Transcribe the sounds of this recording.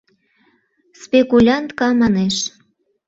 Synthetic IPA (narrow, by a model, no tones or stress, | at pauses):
spʲekulʲɑnt̪kɑmɑneʃ